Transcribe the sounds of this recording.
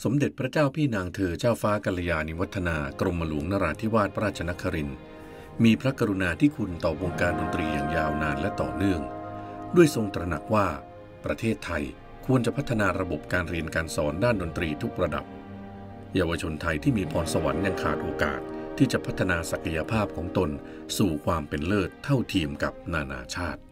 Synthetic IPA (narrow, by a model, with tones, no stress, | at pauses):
so˩˦mde˨˩t̪̚pʰɾa˦˥t͡ɕaː˥˩wpʰiː˥˩naː˧ŋt̪ʰɤː˧t͡ɕaː˥˩wfaː˦˥ka˧la˧jaː˧ni˦˥wa˦˥t̪ʰːa˧naː˧kɾo˧mːa˧lu˨˩˦əŋna˦˧ɾaː˧t̪ʰi˦˥waː˥˩t̪̚pɾaː˥˩t̪̚t͡ɕʰa˧na˦˥kʰːa˧ɾi˧n | miː˧pʰɾa˦˥ka˧ɾu˧naː˧t̪ʰiː˥˩kʰu˧nt̪ɔː˨˩wo˧ŋkaː˧ndo˧nt̪ɾiː˧jaː˨˩ŋjaː˧wnaː˧nlɛ˦˥t̪ɔ̰ː˨˩nɯ˥˩əŋdu˥˩əjso˧ŋt̪ɾa˧na˨˩k̚waː˥˩ | pɾa˧t̪ʰeː˥˩t̪ʰːa˧j | kʰu˧ənt͡ɕa˨˩pʰa˦˥t̪ʰːa˧naː˧ɾa˧bo˨˩p̚kaː˧nɾi˧ənkaː˧nsɔː˩˦ndaː˥˩ndo˧nt̪ɾiː˧t̪ʰu˦˥k̚ɾa˧da̰˨˩p̚ | jaː˧wa˧t͡ɕʰo˧nt̪ʰa˧jt̪ʰiː˥˩miː˧pʰɔː˨˥nsa˧wa̰˩˦˥nja˧ŋkʰa̰ː˨˩t̪̚ʔoː˧ka̰ː˨˩t̪̚ʰːiː˥˩t͡ɕa˨˩pʰa˦˥t̪ʰːa˧naː˧sa˨˩kʰːa˧ja˧pʰaː˥˩p̚kʰɔː˩˦ŋt̪o˧n | suː˨˩kʰwaː˧mpe˧nlɤː˥˩t̪ʰːa˥˩wt̪ʰi˧əmka̰˨˩p̚naː˧na̰ː˧t͡ɕʰaː˥˩t̪̚